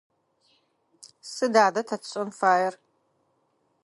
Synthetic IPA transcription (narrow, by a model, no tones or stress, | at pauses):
sɨdaːdɐtʰɐtʰɕʼɔnfaːjɛr